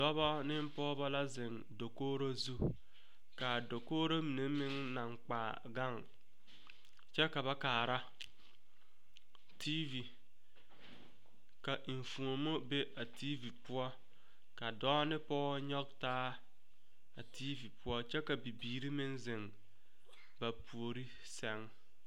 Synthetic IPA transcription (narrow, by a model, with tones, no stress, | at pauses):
dɔ˦bɔ˦nɪ˦m̩˦pɔː˦ba˦la˦zɪ˨ŋ | do˨koː˦ɾo˦zu˦ | ka˨do˨koː˦ɾo˦mi˨ne˨˦mɪ˦ŋ | na˨ŋk͡paː˨ | ɡa˦˨ŋ | t͡ʃɛ˦ka˨βa˦kaː˨ɾa˦ | tʰiː˦vi˨ | ka˨ʔi˨ɱ˨fũ˨o˨mo˦be˦ʔa˨tʰiː˦vi˨pʊ˦ɔ˦ | ka˨dɔː˦nɪ˦pɔː˦ɲɔ˦ɡ̚taː˦ | a˨tʰiː˦vi˨pʰʊ˦ɔ˦t͡ʃɛ˦ka˨bi˨biː˨ɾi˦mɪ̃˦nzɪ˨ŋ | ba˨pʰu˨o˨ɾi˦ | sɛ˨ŋ